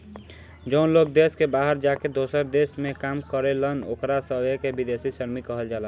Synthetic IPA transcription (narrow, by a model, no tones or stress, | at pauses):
d͡ʒəʊnlokd̪eskebaɦəɾd͡ʒaked̪osəɾd̪esmekamkəɾeləno̰kɾasəbekebid̪esisəɾmikəɦəld͡ʒalən